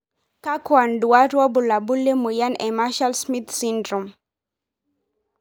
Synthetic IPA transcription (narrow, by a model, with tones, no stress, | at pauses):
ka˦kwa˨ndu˨a˦ɾɔ˦bu˨la˨bu˦le˦mu˨ja˦nɛ˨ma˦ʃa˦lsmi˦t̪si˦ndɾɔ˨m